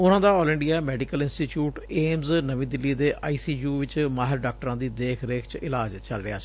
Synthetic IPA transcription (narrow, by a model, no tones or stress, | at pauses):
ʊnãːd̪aːɔːlə̃ɳɖijaːmɛːɖikəlɪnsʈiːʈjuːʈeːmznəʋĩːd̪ɪlːiːd̪eːʔaːiːsiːjuːʋɪt͡ʃmaːɦɪɾɖaːk̚ʈəɾãːd̪iːd̪eːkʰɾeːkʰt͡ʃɪlaːd͡ʒt͡ʃəlɾɪ̰ɦa̰ːsiː